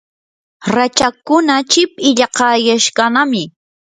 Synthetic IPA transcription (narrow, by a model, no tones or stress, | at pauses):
ɾat͡ʃakʊnat͡ʃɪpɪʎɑqɑjaʃkanamɪ